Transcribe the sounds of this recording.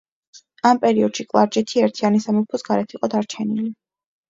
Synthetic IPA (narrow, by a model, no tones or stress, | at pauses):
ampʼɛɾiɔd̪̥ʃikʼlˠaɾd͡ʒɛt̪ʰiɛɾt̪ʰianisamɔpʰɔsɡaɾɛt̪ʰiqʼɔd̪aɾt͡ʃʰɛnili